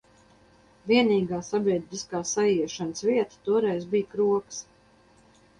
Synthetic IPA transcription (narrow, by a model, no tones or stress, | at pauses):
vʲiɛniːɡaːsabiɛd̪iskaːsajiɛʃanəsviɛt̪ḁt̪uɔɾɛjzbijkɾuɔks